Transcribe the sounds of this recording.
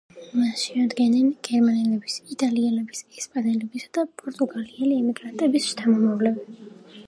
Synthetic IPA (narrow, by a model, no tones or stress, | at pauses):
masʃiad̪ɡɛnɛnɡ̥ɛɾmanɛlɛbisit̪ʼaliɛlɛbisɛkʰspʼanɛlɛbisad̪̥apʼɔɾt̪ʼuɡaliɛliɛmiɡɾant̪ʼɛbist̪ʰamɔmavlɛbɛ